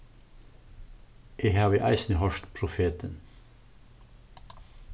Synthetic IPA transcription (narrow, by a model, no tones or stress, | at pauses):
ʔeːhɑːʋəʔæ̰ɪsnəhɔʃt̪pʰɾʊfeːt̪ən